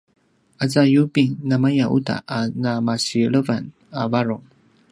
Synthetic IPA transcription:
azajubinamajaʔṵta̰ʔanamasiləvan | avaɾo

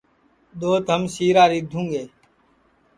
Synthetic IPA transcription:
ɗ̪oːt̪ɦəmsiːɾaːɾiːd̪ʱũːŋɡeː

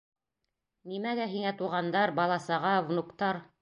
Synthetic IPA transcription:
nimæɡæɦiŋæt̪uʁɑnd̪ɑɾbɑlˠɑsɑʁɑvnukt̪ɑɾ

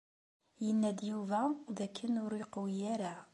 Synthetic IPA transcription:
jənːæd̪juvæðækʰːənʊɾiqwijæɾa

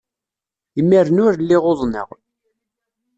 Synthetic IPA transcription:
imːiɾnʊɾlːiʁoðˤnə̰ʁ

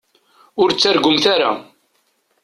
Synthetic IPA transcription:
ʊɾt͡sːaɾɡʊmθaɾa̰

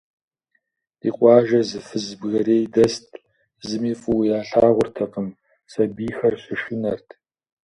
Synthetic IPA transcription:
ḭːqʷɑːʒɐzɨfɨzbɣɐɾeːjdɐstʰʼ | zɨmiːfʼɨwjaːɬaːʁʷʊrtʰɐqəm | sɐbiːxɐrɕɪʃɪnɐrtʰ

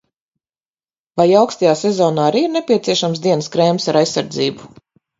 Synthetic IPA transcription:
vajawkst̪ajaːsezɔːnaːaɾiːiɾnepʲiɛt̪siɛʃams̬d̪iɛnəskɾɛːmsaɾajsːaɾd̪ziːbu

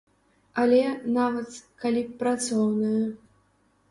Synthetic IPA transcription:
alʲɛnavɐt̪kalʲipɾat̪sɔwnɐjɐ

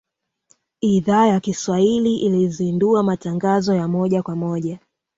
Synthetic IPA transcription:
iðaːjakiswahiliʔilizinduamataŋɡazɔjamɔʄakwamɔʄa

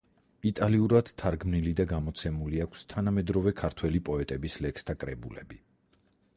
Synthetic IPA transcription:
it̪ʼaliuɾad̪̥t̪ʰːaɾɡmnilid̪aɡamɔt̪sʰɛmuliakʷʰst̪ʰanamɛd̪ɾɔvɛkʰaɾt̪ʰwɛlipʼɔɛt̪ʼɛbislɛkst̪ʰakʼɾɛbulɛ̰bi

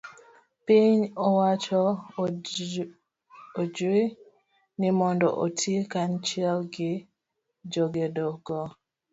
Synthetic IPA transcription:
piɲɔwat͡ʃɔ | od͡ʒe | nimɔndɔ̰ʔotekant͡ʃiɛlɡɪ | d͡ʒoɡedɔɡɔ

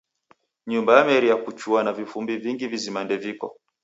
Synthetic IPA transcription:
ɲumbajamɛɾijakut͡ʃuanavifumbiviŋɡivizimandɛvikɔ̰

